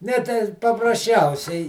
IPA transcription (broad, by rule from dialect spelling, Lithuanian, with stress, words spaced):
ˈnʲɛ tʲɛɪ pɐprɐsʲˈt͡ʃʲɛʊsʲɛɪ